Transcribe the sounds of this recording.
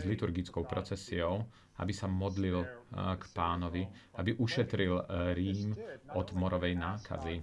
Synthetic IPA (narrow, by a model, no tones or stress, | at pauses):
zlit̪uɾɡit͡skɔʊpɾɔt͡sɛsiɔʊ | a̰bisamɔd̪lilkpaːnɔʋiabiʔuʃɛt̪ɾilɾiːmʔɔd̪mɔɾɔʋɛjnaːkʰa̰zi